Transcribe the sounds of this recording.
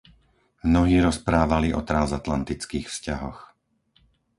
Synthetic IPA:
mnɔɦiːɾɔspɾaːʋaliʔɔt̪ɾanzat̪lant̪it͡skiːxfscaɦɔ̰x

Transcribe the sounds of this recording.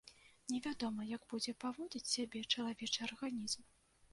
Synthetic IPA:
nʲɛvʲad̪ɔmɐjɐɡbud͡zʲɛpavɔd͡zʲit͡sʲsʲabʲɛt͡ʂɐlˠavʲɛt͡ʂɨɐrɣanʲizm

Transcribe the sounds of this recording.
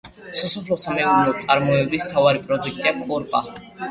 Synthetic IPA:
sɔsɔpʰlɔsamɛunnɔt̪sʼaɾmɔɛbismt̪ʰavaɾipʼɾɔd̪uk̚ʰʼt̪ʼiakʼɔɾpʼa

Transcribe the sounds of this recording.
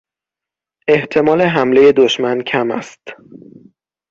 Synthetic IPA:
e̞ht̪ʰe̞mɒːle̞ɦæmle̞je̞d̪oʃmæncʰæmæ̰st̪

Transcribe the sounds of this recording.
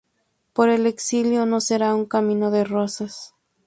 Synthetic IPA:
po̞ɾe̞le̞ksiljo̞no̞se̞ɾauŋkamĩno̞ðe̞rosas

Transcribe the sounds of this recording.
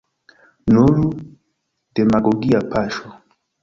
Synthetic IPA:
nolu | dɛmaɡɔɡiapaʃɔ

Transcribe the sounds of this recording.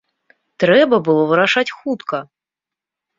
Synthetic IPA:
t̪ɾɛbɐbɨlˠɔvɨɾaʂat͡sʲxut̪kɐ

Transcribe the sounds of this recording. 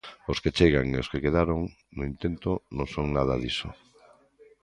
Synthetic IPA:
osket͡ʃeɣaŋeoskekeðaɾoŋ | nʊint̪ent̪onõŋsoŋnaðaðiso̰

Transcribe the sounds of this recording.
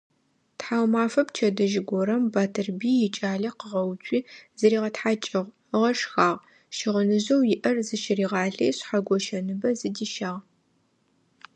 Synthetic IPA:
tħaːwmaːfɐpt͡ʃʰɐdɐʒɪɡʷɔɾɐmbaːtʰɨrbiːjɪt͡ʃʼaːɮɐqəʁɐwt͡ʃʷʰʼiːzɐɾiːʁɐtħaːt͡ʃʼɪʁʷ | ʁɐʂxaːʁ | ʃɪʁənɨʑɐwjɪʔɐrzɨʃɪriːʁɑːɮɐjɕħaɡʷɔʃɐnɨbɐzɨdiːʃaːʁ

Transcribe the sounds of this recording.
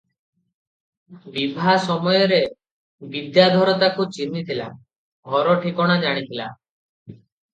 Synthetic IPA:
bibʱasɔmɔjɔɾe | bid̪jad̪ʱɔɾɔt̪akut͡ʃinit̪ʰila | ɡʱɔɾɔʈʰikɔɽ̃ad͡ʒaɽ̃it̪ʰila

